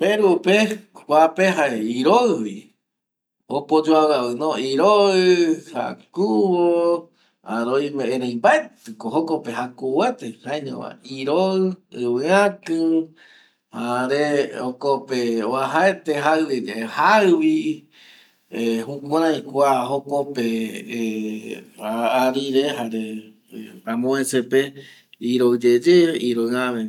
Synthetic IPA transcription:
peɾupekʷapeɦaeiɾoɨβi | opod͡ʒoawɨaβɨnõiɾoɨha̰kuβo | a̰ɾojmeẽɾejmbaet̪ɨkoɦokopehakuwet̪ehaeɲõ̰βa̰iɾoɨɨβɨãkɨ̃ | haɾeokopeoaɦaet̪eɦaɨβiɾehaβi | ehũkʷãɾãj̃kʷaɦokope | aːɾiɾeɦaɾe | amõẽsepe | iɾod͡ʒed͡ʒeiɾoaβe

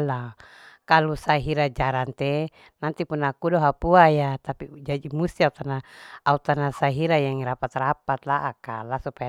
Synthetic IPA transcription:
la | kalusaɦiɾad͡ʒaɾant̪ɛ | nant̪ipunakudɔɦapuajat̪apid͡ʒadimust̪iaut̪anaaut̪anasaɦiɾajaŋɾapat̪rapat̪laʔakalasupaa

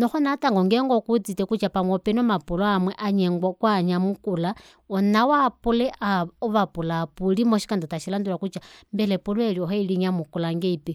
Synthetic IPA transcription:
noxonataŋɡoŋɡeŋɡokut͡sitekut͡ʃapaŋopenomapuloamweʔaɲeŋɡwakwaɲamukula | onawapuleʔʔaoβapulapulimoʃi̥kandotaʃilandulakut͡ʃambelepulwelioheiliɲamukulaŋɡeipi

